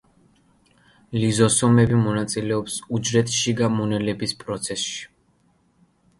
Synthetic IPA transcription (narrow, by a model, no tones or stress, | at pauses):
lizɔsɔmɛbimɔnat̪sʼilɛɔpsud͡ʒɾɛt̪ʰʃiɡamunɛlɛbispʼɾɔt̪sʰɛsʃi̥